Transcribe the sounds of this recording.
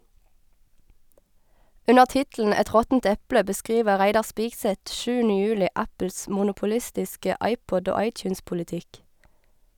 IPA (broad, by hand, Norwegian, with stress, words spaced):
ˈʉnəʁ ˈtɪtl̩n̩ ˈɛt ˈʁɔtn̩t ˈɛplə bəˈskʁiːʋə ˈʁæɪdɑʁ ˈspiːɡsɛt ˈʃʉːnə ˈjʉːlɪ ˈʔæpl̩s ˌmʊnʊpʊˈlɪstɪskə ˈɑɪˌpɔd ˈoː ˈɑɪˌtjʉːnspʊlɪˌtɪk